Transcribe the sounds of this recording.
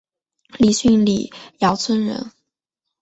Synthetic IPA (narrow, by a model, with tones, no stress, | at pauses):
li˨˩ɕy˥˧nlḭ˨˩jɑ˧˥ʊt͡sʰwə˥nɻə̰˧˥n